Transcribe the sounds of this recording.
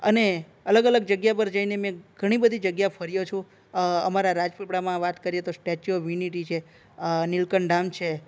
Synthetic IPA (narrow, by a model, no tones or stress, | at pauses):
əne | ələɡələɡ̚d͡ʒəɡjapəɾd͡ʒəinemẽɡ̥ʱəɽ̃ibəd̪ʱid͡ʒəɡjapʰəɾijot͡ʃʰũ | əmaɾaɾad͡ʒpepɽamãʋat̪kəɾijet̪osʈɛt͡ʃoʋiniʈit͡ʃʰe | nilkəɳɖamt͡ʃʰe